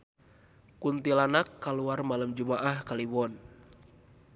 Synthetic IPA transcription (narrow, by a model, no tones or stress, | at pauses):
kunt̪ilanakːaluarmaləmd͡ʒumaʔahkaliwɔn